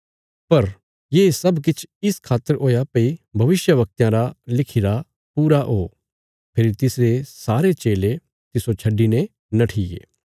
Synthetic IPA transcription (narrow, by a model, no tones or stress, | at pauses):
pɐɾ | jeːsɐbk̬ɪt͡ʃʰɪskʰaːt̪ːəɾoːjapɐibʱɐʋɪsjəʋɐk̚t̪jãɾalɪkʰiɾa | puːɾaʔɦoː | pʰɪːɾit̪ɪsɾesaːɾet͡ʃeːle | t̪ɪsot͡ʃʰɐɖːinẽ | nɐʈʰijḛː